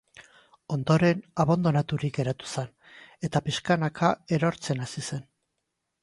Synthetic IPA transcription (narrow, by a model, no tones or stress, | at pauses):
o̞nd̪o̞ɾe̞naβand̪o̞nat̪uɾik̚ɡe̞ɾat̪u̥sen | e̞t̪apiskanakʰae̞ɾo̞ɾt͡se̞nasise̞n